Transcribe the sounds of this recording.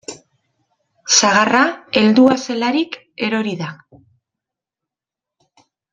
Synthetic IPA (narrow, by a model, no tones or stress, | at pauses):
saɣarae̞ld̪uase̞laɾik | e̞ɾo̞ɾiða